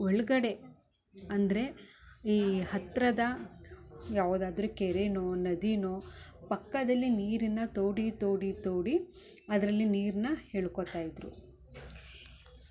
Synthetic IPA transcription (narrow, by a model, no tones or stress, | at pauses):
oɭɡɐɽe̞ | ɐnd̪ɐɾe̞iːhɐt̪ɾɐd̪ɐ | jaːʋud̪aːd̪ɾukeɾenoːnɐd̪inoːpɐkːɐd̪ɐlːiniːɾinːɐt̪oːɽit̪oːɽit̪oːɽi | ɐd̪ɐɾɐlːiniːɾnːɐhe̞ːɭkot̪aːjid̪ɾṵ